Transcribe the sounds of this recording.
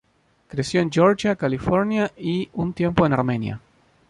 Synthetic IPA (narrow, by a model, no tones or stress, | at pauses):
kɾesjoend͡ʒoɾt͡ʃakalifoɾnjaiunt̪jẽ̞mpoenaɾmẽnja̰